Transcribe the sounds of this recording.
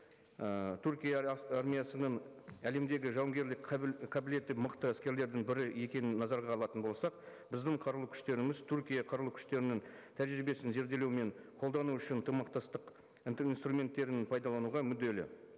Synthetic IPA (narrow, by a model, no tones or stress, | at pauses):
ət̪ʰuɾkʲijɑɑrmʲijɑsənəɴæle̞md̪e̞ɡʲɪʒɑwŋɡʲe̞ɾlɪkʲqʰɑbɪle̞t̪ːɪməqt̪əæskʲe̞ɾle̞ɾd̪ɪŋbɪɾɪje̞kʲe̞nɪnːɑzɑɾʁɑːlˠɑt̪ənbo̞lˠsɑq̚ | bɪzd̪ɪɴqʰɑɾlˠukʲʰʏ̥ʃt̪e̞ɾɪmɪzt̪ʰʊɾkʲijɑqʰɑɾlˠukʲʰʏ̥ʃt̪e̞ɾɪnɪŋ | t̪ʰæʒɾɪbe̞sɪnze̞ɾd̪e̞lewme̞ɴqʰo̞lˠd̪ɑnuʏʃɪnt̪ʰəmɑqt̪ɑst̪əq | inst̪rumʲe̞nt̪ːe̞ɾɪnpʰɑjd̪ɑlˠɑnuʁɑmʏd̪ːe̞lɪ̰